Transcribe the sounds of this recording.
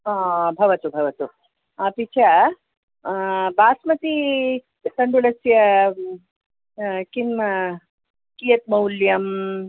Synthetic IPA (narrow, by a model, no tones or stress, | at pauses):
aːbʱɐʋɐt̪ubʱɐʋɐt̪u | ɐpit͡ʃʰɐ | baːsmɐt̪i | t̪ɐɳɖulɐsjɐ | kinmɐ | kijɐt̪̚mɐwljɐm